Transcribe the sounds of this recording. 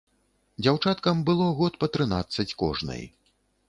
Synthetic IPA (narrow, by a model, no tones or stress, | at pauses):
d͡zʲawt͡ʂat̪kɐmbɨlˠɔɣɔt̪pɐt̪ɾɨnat̪sːɐt͡sʲkɔ̰ʐnɐ̰j